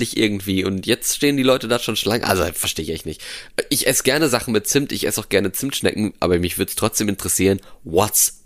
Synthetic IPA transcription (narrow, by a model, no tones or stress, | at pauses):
lɪçʔɪ̰ɐɡŋ̩tv̥iːʊntʰjɛt͡stʃteːəndiːlɔʏtədaːʃoːnʃlaŋʔa̰lzofɛɐʃteːɪçɛ̰çtnɪçtːʔɪçʔɛsəɡ̥ɛɐnəzaχn̩mɪt̚t͡sɪmtɪçʔɛ̰saʊxɡ̥ɛɐnət͡sɪmtʃnɛ̰kŋ̩ʔa̰ːbɐmɪçv̥ʏɐdəstʁ̥ɔt͡sd̥eːmɪntəʁəsiːʁənvɔt͡s